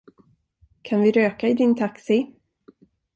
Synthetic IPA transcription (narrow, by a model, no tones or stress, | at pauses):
kʰanvɪɾøːkaɪd̪ɪnt̪ʰaksɪ